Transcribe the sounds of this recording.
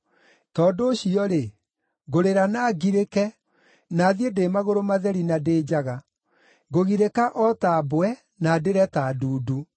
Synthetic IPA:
tɔːdoːɕiɔɾe | ɡoɾeɾanaːɡiɾekɛ | naːðiedeːmaɣoɾomaðɛɾinadeːd͡ʑaɣa | ɡoɣiɾekaʔɔtaboɛ | nadeɾɛtaduːdu

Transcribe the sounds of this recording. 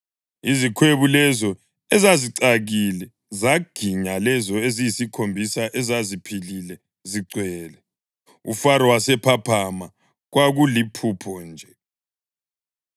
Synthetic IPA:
izikʰweβulɛzɔ | ɛzaziǀaɣilɛ | zaɡ̥ʱiɲalɛzɔezijisikʰombʱisaʔɛzazipʰililɛ | ziǀʱwɛːlɛ | ṵfaɾɔwasɛpʰapʰama | ɣwaɣulipʰupʰɔnd͡ʒʱɛ

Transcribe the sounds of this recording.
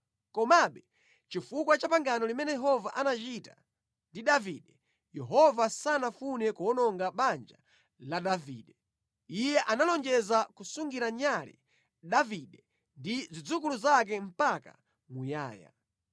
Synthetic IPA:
kɔmaɓɛ | t͡ʃifukwat͡ʃapaŋɡanɔlimɛnɛjɛɦɔvaʔanat͡ʃita̰ | ndiɗaviɗɛ | jɛɦɔvasanafunɛkuɔnɔŋɡaɓand͡ʒa | laɗavḭːɗɛ | ijɛʔanalɔnd͡ʒɛzakusuŋɡiɾaɲalḭ | ɗaviɗɛ | ndizid͡zukuluzak̬ɛm̩paka̰ | muja̰ːja̰

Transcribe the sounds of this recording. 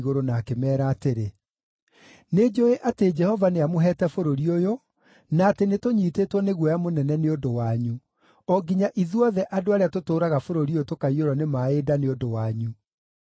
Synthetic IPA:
ɣoɾonaːkemɛːɾaːteɾe | ned͡ʒoeʔated͡ʒɛhɔvaneamoɦɛtɛfoɾoɾiojo | naːtenetoɲitetwɔneɣwɔjamonɛnɛneodowaɲu | ɔɡiɲaʔiðwɔðɛʔadoaɾeatotoːɾaɣafoɾoɾiootokaioɾɔnemaedaneodowaɲu

